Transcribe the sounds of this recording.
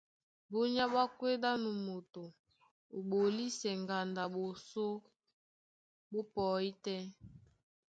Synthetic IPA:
bo˦ɲa˦ba˦kwe˦da˦nu˨mo˨to˨ | o˨ɓo˨li˦sɛ˨ŋɡa˨nda˨ɓo˨so˦ | bo˦pɔ˨i˦tɛ˦

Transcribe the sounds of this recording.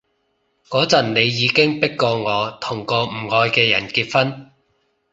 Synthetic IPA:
kɔː˨˥t͡sɐ˨˩nne˨˧jːiː˨˧kɪ˥ŋpɪ˥kːɔː˧ŋɔː˨˧t̪ʰʊ˨˩ŋkɔː˧m̩˨˩ŋɔː˧jkɛː˧jɐ̰˨˩nkiː˧t̚fɐ˥n

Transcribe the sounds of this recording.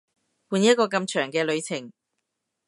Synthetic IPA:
puː˧njɐ˥t̚kɔː˧kɐ˧mt͡ʃʰœː˨˩ŋkɛː˧lɵ˨˧ɥt͡sʰɪ˨˩ŋ

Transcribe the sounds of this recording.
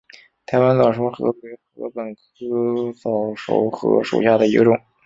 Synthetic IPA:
t̪ʰa˧˥ɪwa˥nt͡sɑ˨˩ʊʂ̬o˧˥ʊxɤ̰˧˥we˧˥ɪxɤ̰˧˥pə˨˩nt͡s̩ʰ˥t͡sɑ˨˩ʊʂo̰˧˥ʊxɤ̰˧˥ʂṵ˨˩ɕja˥˩d̪ə˩i˧˥ɡə˧ʈ͡ʂʊ˨˩˦ŋ

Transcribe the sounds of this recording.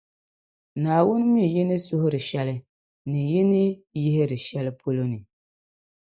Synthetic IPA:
naː˨wʊ˦n˦mi˦˨jɪ˦nɨ˦sʊ˦hʊ˦ɾɨ˨ʃɛ˦lɨ˦ | nɨ˨jɪ˦nɨ˦jɪ˦hɪ˦ɾɨ˨ʃɛ˦lɨ˦pʰo˦lo˦nɨ˨

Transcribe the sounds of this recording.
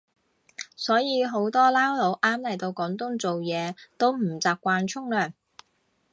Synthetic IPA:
sɔː˨˥jiː˨˧ɦo˨˥wt̪ɔː˥laː˥wlo˨˧˥wʔaː˥mlɐ˨˩jt̪o˧wkɔː˨˥ŋt̪ʊ˥ŋt͡so˨wjɛː˨˧t̪o˥wm̩˨˩t͡saː˨p̚kʷaː˧nt͡ʃʰʊ˥ŋlœː˨˩ŋ

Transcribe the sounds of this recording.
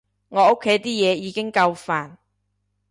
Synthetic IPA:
ŋɔː˨˧o˥kʰːe˨˥jt̪iː˥jɛː˨˧jiː˨˧kɪ˥ŋkɐ˧wfaː˨n

